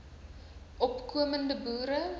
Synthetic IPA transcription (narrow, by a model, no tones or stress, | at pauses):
ʔɔpkuəməndəbuːɾə